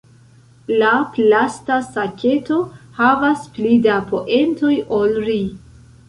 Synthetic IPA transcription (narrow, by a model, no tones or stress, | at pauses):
laplastasakʲʰe̞to̞havasplidapo̞ʔe̞nto̞jolɾi